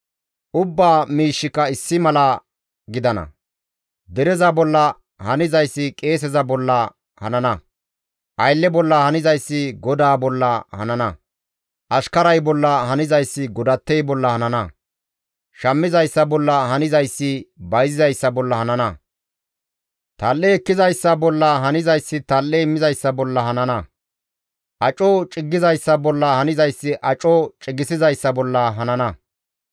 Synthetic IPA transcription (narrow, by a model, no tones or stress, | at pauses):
ʔʊbːaːmiːʃːɪkːɐɪsːɪmɐlɐ | ɡɪd̪ɐnɐ̰ | d̪ɛɾɛzɐbɔlːɐ | hɐnɪzɐjsːɪkʼe̞ːs̬ɛzɐbɔlːɐ | hɐnɐnɐ | ʔɐjlːɛbɔlːɐhɐnɪzɐjsːɪɡɔd̪aːbɔlːɐhɐnɐnɐ | ʔɐʃkɐɾɐjbɔlːɐhɐnɪzɐjsːɪɡɔd̪ɐt̪ːɛjbɔlːɐhɐnɐnɐ | ʃɐmːɪzɐjsːɐbɔlːɐhɐnɪzɐjsːɪbɐjzɪzɐjsːɐbɔlːɐhɐnɐnɐ | t̪ɐlːeɛkːɪzɐjsːɐbɔlːɐɦɐnɪzɐjsːɪt̪ɐlʔemːɪzɐjsːɐbɔlːɐhɐnɐnɐ | ʔɐt͡ʃʼːɔt͡ʃʼɪɡːɪzɐjsːɐbɔlːɐhɐnɪzɐjsːɪʔɐt͡ʃʼɔt͡ʃʼɪɡɪsɪzɐjsːɐbɔlːɐɦɐnɐnɐ